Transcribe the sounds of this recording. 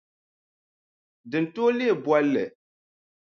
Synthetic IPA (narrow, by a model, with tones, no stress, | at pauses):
dɨ˨n˨to˦le˦e˨bɔ˦lːɨ˨